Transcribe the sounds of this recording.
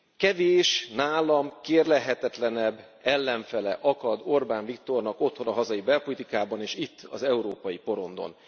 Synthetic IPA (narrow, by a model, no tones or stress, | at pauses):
kɛveːʃnaːlɒmkeːrlɛɦɛt̪ɛt̪lɛnɛbː | ɛlːɛɱfɛlɛ̰ʔɒkɒd̪o̞rbaːɱvikt̪o̞rnɒko̞t̪ho̞nɒɦɒzɒjibɛlpo̞lit̪ikaːbɒneːʃit̪ːɒ̰zɛuɾoːpɒjipo̞ɾo̞nd̪o̰n